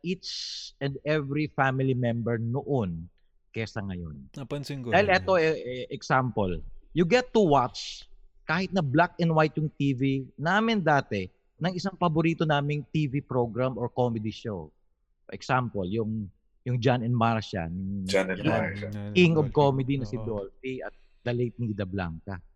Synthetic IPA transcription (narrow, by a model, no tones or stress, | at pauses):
ʔit͡ʃɛ̃nd̪ɛvɾifamɪlimɛ̃mbɛɹnoʔon | kɛsɐŋɐjo̰ndapɐnsɪaːhɪlʔɛt̪oɛʔɛksampoljʊɡɛt̪ːʊwat̪t͡ʃkaːhɪt̪̚nɐblak̚ɛ̃nd̪wajt̪̚jʊŋt̪iːvinaːmɪnd̪aːt̪ɛ | nɐŋɪsaŋpɐbʊɾiːt̪onaːmɪŋt̪iːvipɾoɡɾamʔoɹkomɛd̪iʃow | ʔɛksampoljʊŋ | jʊŋd͡ʒanɛnmaɹʃɐ̰nɪd͡ʒanɛ | kɪŋɔbkomɛd̪inɐsɪd̪olfiɐ̰t̪̚ | d̪̥ɐlejt̪̚nid̪ɐbla̰ŋkɐ